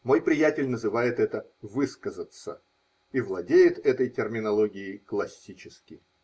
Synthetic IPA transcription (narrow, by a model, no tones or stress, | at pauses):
mo̞jpɾʲɪjætʲɪlʲnəzɨvajɪt̪ɛt̪əvɨskəzət̪sə̰ | ivlˠɐdʲejɪt̪ɛt̪əjtʲɪrmʲɪnɐlˠoɡʲɪɪklˠɐsʲːit͡ɕɪskʲɪ